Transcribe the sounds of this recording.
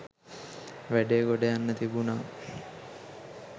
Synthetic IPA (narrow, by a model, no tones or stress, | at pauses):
ʋæɖeɡoɖəjanːət̪ibunaː